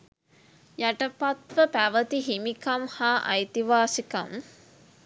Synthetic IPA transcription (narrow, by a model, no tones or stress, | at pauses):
jaʈəpat̪ʋəpæʋət̪iɦimikamhaːʔɐ̰jt̪iʋaːsikam